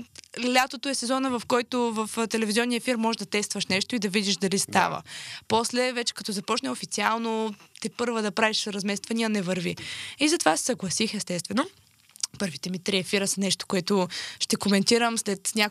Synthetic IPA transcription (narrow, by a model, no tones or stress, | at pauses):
lʲat̪ot̪oɛsɛzɔnəvɐfkɔjt̪ovɐft̪ɛlɛviziɔnːijəfiɾmːɔʒɛʒd̪ɐt̪ɛst̪vɐʃnɛʃt̪ʊid̪ɐvid̪iʃd̪ɐlist̪avə̰pɔslɛvɛt͡ʃɛ̥kɐt̪ɔzɐpɔt͡ʃnɛofit̪sialˠnot̪ipɤɾvəd̪ɐpɾaviʃɾɐzmɛst̪vɐniɐnɛvɐɾviizɐt̪ovasɛ̥sɐɡlˠɐsixɛst̪ɛst̪vɛno | pɤɾvit̪ɛmit̪ɾiɛfiɾəsɐnɛʃt̪o̥koɛt̪oʃt̪ɛkomɛnt̪iɾəmslɛt̪nʲa